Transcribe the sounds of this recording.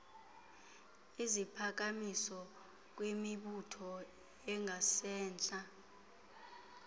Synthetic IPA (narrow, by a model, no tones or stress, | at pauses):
izipʰak̬amisɔ | k̬wemiɓutʰɔ | ɛŋʱasɛːnt͡ɬʼa